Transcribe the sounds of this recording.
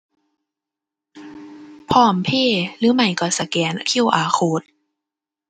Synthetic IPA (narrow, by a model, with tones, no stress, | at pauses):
pʰɔː˧˩mpʰeː˧˩˨lɯː˧˦ma˧˩jkɔ˧˩sa˧kɛː˨˦n˧˦kʰi˧˥˩wʔaː˨˩˦xʰoː˧˦t̪̚